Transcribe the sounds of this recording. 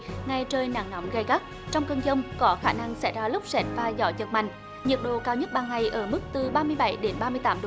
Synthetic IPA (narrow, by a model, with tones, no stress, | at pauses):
ŋa˨˧jt͡ɕəː˧jna̰˧˨ŋnɔ˨˦mɣə˧jɣa˦˥k̚ | t͡ɕɔ˧wŋ͡mkə˧nzə˧wŋ͡mkɔ˨˦xaː˧˩na˧ŋsɛ̰˧˥˩jzaː˧lʊ˦˥k͡p̚sɛː˦˥t̚vaː˨˩zɔ˧˩˦zə˨˩k̚ma̰˧˨ŋ̟ | ɲə˨˩t̚ɗo̰˧˨kaː˧wɲə˦˥t̚ɓaː˧˩ŋŋa˨˩jʔəː˧˩mɨ˦˥k̚t̪ɨ˨˩ɓaː˧mɨ˧əjɓa˧˩jɗe˨˦nɓaː˧mɨ˧əjt̪aː˨˦mɗo˧